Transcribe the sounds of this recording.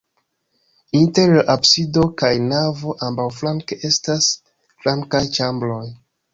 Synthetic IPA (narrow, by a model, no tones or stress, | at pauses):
inteɾabsido̞kajnavo̞ʔambawflaŋkeʔe̞stas | flaŋkajt͡ʃamblo̞j